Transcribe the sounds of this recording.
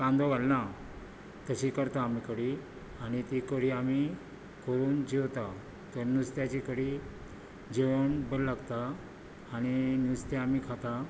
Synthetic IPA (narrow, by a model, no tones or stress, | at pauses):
kãnd̪ɔʋalna | t̪əɕikəɾt̪aːmikəɽi | aɽ̃it̪ikəɽiːami | kʰoɾuːnd͡ʑiʋt̪a | t̪əɾnust̪jat͡ɕikəɽiː | d͡ʑiʋəɳbəllːaɡt̪aː | ɽ̃injust̪jaamiːkʰat̪a